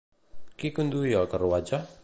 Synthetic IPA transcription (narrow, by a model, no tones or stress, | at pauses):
kikund̪ujɔkəruwad͡ʒa